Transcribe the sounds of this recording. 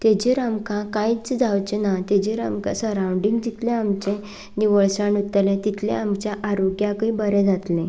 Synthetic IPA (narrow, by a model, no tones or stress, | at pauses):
t̪ed͡ʑiɾamkãkajt͡sd͡zawt͡ɕenat̪ed͡ʑiɾamkã̰səɾauɳɖiŋɡd͡ʑit̪ʰlɛ̃amt͡ɕẽ | niʋəɭsaɳut̪əlẽt̪it̪ʰlḛamt͡ɕjaʔaɾoɡjakəibəɾɛ̃d͡zʱat̪lɛ̃